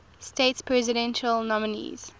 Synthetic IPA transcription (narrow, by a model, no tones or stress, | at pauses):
stetspʰɹɛzɪɾɛ̃nʃəlnɔmɪnḭz̥